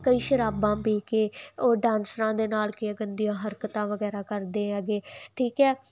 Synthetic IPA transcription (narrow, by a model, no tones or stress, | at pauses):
kəiːʃəɾaːbãːbeːkeːoːɖãːnsɾãːd̪eːnaːlkɪaɡənd̪ijãːɦəɾkət̪ãːʋəɡɛːɾaːkəɾd̪eːəɡeːʈʰiːkɛː